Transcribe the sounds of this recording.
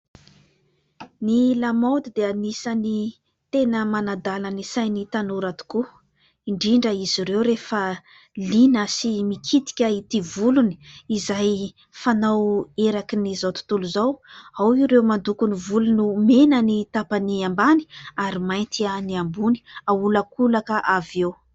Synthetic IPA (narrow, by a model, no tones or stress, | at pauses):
nilamawd̪id̪eanisani | t̪enəmanad̪alanisajnit̪anuɾat̪u̥ku | iɳɖ͡ʐiɳɖ͡ʐəiz̥iɾewɾefə | linəsimikʰit̪i̥kʲəit̪ivuluni̥izaj | fanaweɾakinizawt̪u̥t̪uluzawawiɾewmand̪ukunivulunumenanit̪apaniambani̥aɾimajnt̪ianiambuni̥aulakulakəʔavew